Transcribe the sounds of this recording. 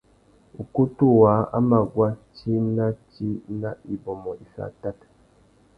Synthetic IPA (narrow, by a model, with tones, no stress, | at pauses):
u˨ku˦tu˦˨wa˨˦a̰˦ma˨ɡwa˦t͡ʃi˦na˦t͡ʃi˦na˦i˨bo˨mɔ˨ʔi˨sa̰˨ta˦tḁ˨